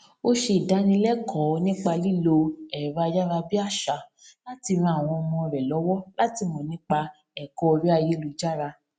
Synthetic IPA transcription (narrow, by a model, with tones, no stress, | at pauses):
o˦ʃe˧˨da˨˦nĩ˧lɛ˦kʰɔ˨˦˧nĩ˦k͡pa˧li˦lo˧ɛ˨ɾa˨˧a˧d͡ʒa˦ɾa˧bi˦a˦˨ʃa˧˦ | la˦ti˧ɾ̃ũ˧a˨w̃ɔ̃˧mɔ̃˧ɾɛ˨lɔ˨˦wɔ˦la˦ti˧mɔ̃˨nĩ˦k͡pa˧ | ɛ˨kɔ˦ɔ˧ɾi˦a˧je˦lu˨d͡ʒa˦ɾa˧